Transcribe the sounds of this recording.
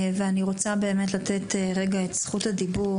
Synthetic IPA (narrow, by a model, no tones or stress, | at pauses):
veaniʁo̞t͡sabe̞ːme̞t̬lateteʁe̞ɡaetsχuthadibu